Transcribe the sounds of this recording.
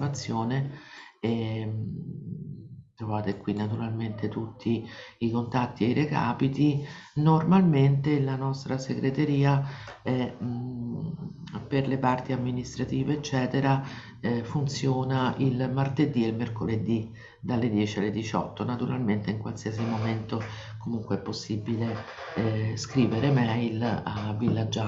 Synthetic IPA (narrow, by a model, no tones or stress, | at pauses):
mat̪sːjoːnee | t̪ɾovaːt̪ekwinːat̪uɾalment̪et̪ut̪ʰːiːkont̪at̪ːieireka̰ːpit̪i | normalment̪elanɔst̪ɾaseɡɾet̪eɾiːaɛ | perlepart̪iamːinist̪ɾat̪iːveːt͡ʃːɛːt̪eɾa | ɛfunt̪sjoːnaʔilmart̪ed̪ielmerkoled̪i | d̪alːed̪jɛːt͡ʃialːed̪it͡ʃɔ̰t̪ːonat̪uɾalment̪eiŋkwalsiasimoment̪o | komuŋkweɛpːosːibile | skɾiːveɾemɛjlavːilːad͡ʒːa